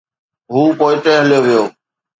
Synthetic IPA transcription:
ɦuːpoːɪʈ̪eɦɐlijoʋijoː

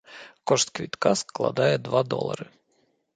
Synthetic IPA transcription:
kɔʂt̪kʋʲit̪kasklˠɐ̰d̪ajɛd̪ʋad̪ɔ̰lˠɐ̰ɾɨ

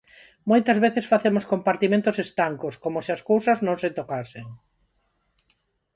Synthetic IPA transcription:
mojt̪ɐzβeθesfaθemoskompaɾt̪imẽnt̪ʊsest̪aŋkoskomosiaskowsɐznõŋset̪okaseŋ

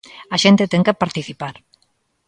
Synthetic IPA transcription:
ɐʃent̪et̪ɛŋkepaɾt̪iθipaɾ

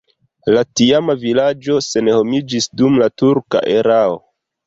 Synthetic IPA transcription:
latiamavilad͡ʒo̞se̞nho̞mid͡ʒisdumlatuɾka̰ʔe̞ɾao̰

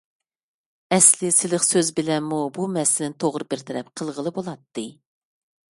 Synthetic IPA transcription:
ɛslɪsɪlɪχsøzbɪlɛnmːubumɛsɪlɪnt̪ʰoʁɾɨbɪɾt̪ʰɛɾɛp̚qʰəlˠʁəlˠɨbolˠɑt̪ːɨ

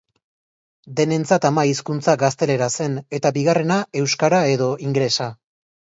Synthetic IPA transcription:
d̪e̞ne̞nt͡sat̪amaiskunt͡saɡast̪e̞le̞ɾase̞ne̞t̪abiɣ̞are̞nae̞wskaɾae̞ðo̞iŋɡɾe̞sa

